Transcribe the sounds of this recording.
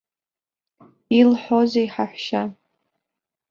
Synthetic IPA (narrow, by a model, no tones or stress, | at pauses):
ilħozeiħaħʷʃa